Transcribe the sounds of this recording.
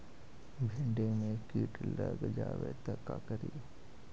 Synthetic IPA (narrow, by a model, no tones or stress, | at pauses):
bʱẽɳɖemẽkiːʈləɡd͡ʒaːʋet̪əkːa̰kəɾiː